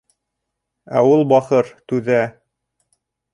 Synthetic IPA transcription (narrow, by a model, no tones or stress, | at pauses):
æ̰ulˠbɑχɤɾt̪ʉðæ